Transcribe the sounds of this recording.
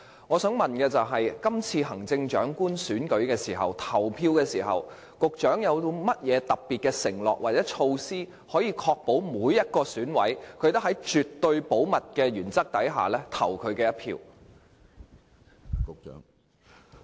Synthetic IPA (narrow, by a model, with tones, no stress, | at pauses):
ŋɔː˨˧sœː˨˥ŋmɐ˨˩nkɛː˧t͡sɐ˨˩wɦɐ˨jkɐ˥mt͡sʰiː˧ɦɐ˨˩ŋt͡sɪ˧ŋt͡ʃœː˨˥ŋkuː˥nsyː˨˥nkɵ˨˧˥ɥkɛː˧siː˨˩ɦɐ̰˨wt̪ʰɐ˨˩wpʰiː˧wkɛː˧siː˨˩ɦɐ̰˨˩w | kʊ˨k̚t͡ʃœː˨˥ŋjɐ˨˧wt̪o˧mɐ˥t̚jɛː˨˧t̪ɐ˨p̚piː˨t̚kɛː˧sɪ̰˨˩ŋlɔ̰ː˨k̚waː˨˩t͡sɛː˨˥t͡ʃʰo˧wsiː˥ | hɔː˨˥jiː˧kʰɔː˧k̚po˨˥wmuː˨˧˥jːɐ˥t̚kɔː˧syː˨˥nwɐ̰˨˥jkʰɵ˨˧ɥt̪ɦɐ˨˥jt͡ʃy˨t̪ːɵ˧ɥpo˨˥wmɐ˨t̚kɛː˧ɥyː˨˩nt͡sɐ˥k̚t̪ɐ˨˥jɦa̰ː˨lɛː˥t̪ʰɐ˨˩wkʰɵ˨˧ɥkɛː˧jɐ˥t̚pʰḭː˧w | kʊ˨k̚t͡ʃːŋ